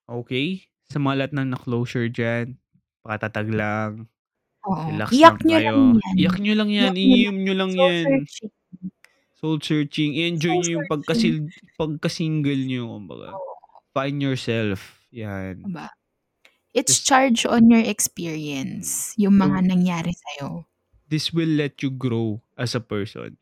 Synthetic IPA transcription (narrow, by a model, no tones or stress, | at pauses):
ʔoːkɛj | sɐmɐŋalɐhat̪̚nɐŋnɐkloːsɛɹd͡ʒan | pɐkɐt̪at̪ɐɡlaŋ | ʔoʔolakjak̚ɲojaoŋajak̚ɲolɐŋjanʔɪiʊmɲolɐŋjant͡ʃɪŋ | solsɛɹt͡ʃɪŋɪʔɛnd͡ʒojɲojʊŋpɐɡ̚kɐsilpɐɡ̚kɐsiŋɡɛlɲokʊmbɐ̰ɡa̰ʔfajnd̪jɔɹsɛlf | janba | ʔɪt̪st͡ʃaɹd͡ʒɔ̃njɔɹɛkspiɹiɐnsjʊŋmɐŋanɐŋjaːɾɪsɐjo | d̪ɪswɪlːɛt̪juɡɾowʔɐsɐpɛɹso̰n